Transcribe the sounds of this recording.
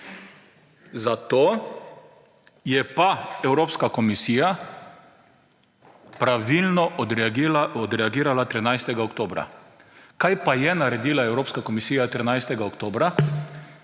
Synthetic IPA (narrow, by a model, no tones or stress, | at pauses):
zat̪oː | jɛpaɛwɾoːpskakɔmisiːja | pɾaʋilnɔ | ɔd̪ɾɛaɡiːɾalat̪ɾinajst̪ɛɡaokt̪oːbɾa̰kajpajɛnaɾɛd̪iːlaɛwɾoːpskakɔmisiːjat̪ɾinajst̪ɛɡaokt̪oːbɾa